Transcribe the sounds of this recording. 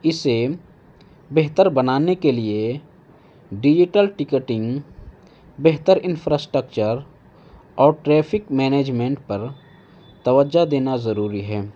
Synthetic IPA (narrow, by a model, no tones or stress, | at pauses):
ɪse | bɛɦt̪əɾbɐnaːnekelie | ɖɪd͡ʒɪʈəlʈɪkəʈɪ̃ŋɡ | bɛɦt̪əɾɪ̃nfʰɾaːsʈɾəkt͡ʃəɾ | ɔːɾʈɾɛːpʰɪkmɛːneːd͡ʒmẽːɳʈpɐɾ | t̪ɐʋəd͡ʒad̪eːnazɐɾuːɾiɦɛː